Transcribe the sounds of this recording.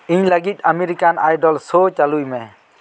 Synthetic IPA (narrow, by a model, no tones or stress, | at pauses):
iɲləɡit̪̚ˀamɛɾikanajɖɔlsot͡ʃalujmɛ̃